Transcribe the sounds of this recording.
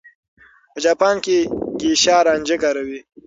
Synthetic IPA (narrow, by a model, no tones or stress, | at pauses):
pəd͡ʒaːpaːnkiɡiɕaːɾaːnʲd͡ʒekaɾɐwi